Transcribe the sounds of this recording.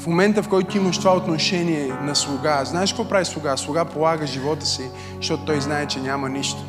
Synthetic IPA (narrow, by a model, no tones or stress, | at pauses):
fmomɛnt̪əfkɔjt̪ʊiməʃt̪ovaot̪noʃɛniɛnɐslˠʊɡaznaɛʃkvɔpɾavislˠʊɡaslˠʊɡapolˠaɡəʒivɔt̪ə̥si | ʃt̪ɔt̪ot̪ɔjznaɛt͡ʃɛnʲamɐniʃt̪o̥